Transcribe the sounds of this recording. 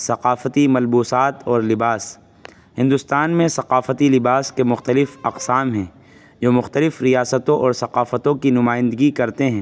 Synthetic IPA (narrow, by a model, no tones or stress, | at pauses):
sɐqaːfət̪imɐlbuːsaːt̪ɔːɾlɪbaːs | hɪ̃nd̪ʊst̪aːnmẽsɐqaːfət̪ilɪbaːskemʊxt̪əlɪfɐqsaːmɦɛ̃ː | d͡ʒoːmʊxt̪əlɪfɾijaːsət̪õʔɔːɾsɐqaːfət̪õkinʊmaːɪ̃nd̪əɡikɐɾt̪eɦɛ̃ː